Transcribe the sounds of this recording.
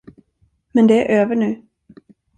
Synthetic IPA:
mɛnd̪ɛæɾʔøːvəɳʉ̟ː

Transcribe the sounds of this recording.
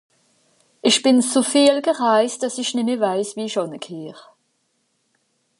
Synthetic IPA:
ʔɪçb̥ɪnt͡sofiːlɡəʁaɪst̚d̥asɪçnɪmeːɐvaɪsviːʃɔnəkʰeːʁə

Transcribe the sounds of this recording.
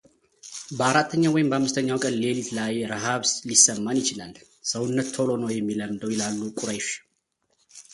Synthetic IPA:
bəaɾat̪ʰːəɲːawɔjɪmbəamːɨst̪ʰəɲːawkʼənle̞lit̪lajɾəɦaβslisəmːanjɪt͡ʃɪlal | səwʊnːət̪ːʰolo̞nəwjɛmːiləmd̪əwjɛlalːukʼuɾəjʃ

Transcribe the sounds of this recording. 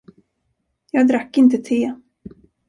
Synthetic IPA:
jɑːɡd̪ɾakːɪnt̪ət̪ʰeː

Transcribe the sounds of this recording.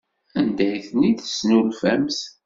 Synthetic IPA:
ænd̪æjθnːid̪ə̥snulfæmθ

